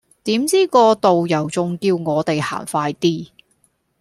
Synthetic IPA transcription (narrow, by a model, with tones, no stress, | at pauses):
t̪iː˨˥mt͡siː˥kɔː˧t̪o˨wjɐ˨˩wt͡sʊ˨ŋkiː˧wŋɔː˨˧t̪e˨jha̰ː˨˩nfaː˧jt̪iː˥